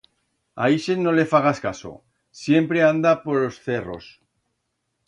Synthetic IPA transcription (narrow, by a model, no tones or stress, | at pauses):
a̰iʃeno̞le̞faɣaskaso̞̰ | sje̞mpɾe̞and̪apo̞ɾlo̞sθe̞ro̞̰s